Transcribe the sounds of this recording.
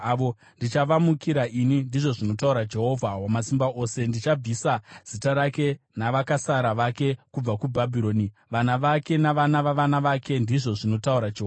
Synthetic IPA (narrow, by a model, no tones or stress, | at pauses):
aʋo̞ | ndit͡ʃaʋamukiɾaʔinindiʐo̞ʐino̞tauɾad͡ʒe̞ɦo̞vʱawamasimbaʔo̞ːse̞ndit͡ʃab͡visaz̥itaɾake̞naʋakasaɾaʋake̞kub͡vakubʱabʱiɾo̞ːni | ʋanaʋake̞naʋanaʋaʋanaʋake̞ndiʐo̞ʐino̞tauɾad͡ʒeɦoa